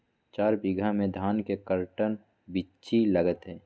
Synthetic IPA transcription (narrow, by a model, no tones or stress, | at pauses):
t͡ʃaːɾbɪɡʱamẽd̪ʱaːnkekəɾʈən | bɪ | t͡ʃiləɡət̪ɦɛ̃ː